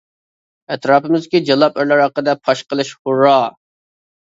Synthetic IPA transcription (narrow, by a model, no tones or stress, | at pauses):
ɛt̪ɾɑːpɨmɪzkʲid͡ʒɑlˠɑpøɾlæɾɑqːəd̪ɛpʰɑʃqəlˠɨʃχʊɾːɑː